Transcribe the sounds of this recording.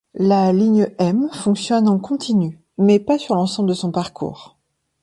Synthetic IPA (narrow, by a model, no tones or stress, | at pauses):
laliɲəɛmfɔ̃ksjɔnɑ̃kɔ̃t̪ʰiny | mɛpasyʁlɑ̃sɑ̃bləd̪əsɔ̃paʁkʰṵːʁ